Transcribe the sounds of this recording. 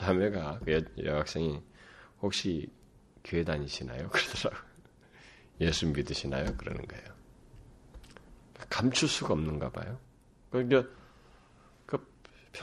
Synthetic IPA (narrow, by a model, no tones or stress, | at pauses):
sʰameɡakɯjjʌɡak̚s͈eŋihok̚ɕ͈i | kjoedaɲiɕʰina̰jokɯɾʌdʌɾaɡo | je̞sʰummidɯɕʰinajokɯɾʌ̰nɯ̰nɡʌ̰ḛjo | kakamt͡ɕʰus͈uɡaʌmnɯnɡa̰ba̰jo | kɯkʌ | kɯ | pʰ